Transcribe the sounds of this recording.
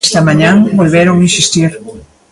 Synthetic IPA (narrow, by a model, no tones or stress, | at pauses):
st̪amãɲãŋbolβeɾoŋinsist̪iɾ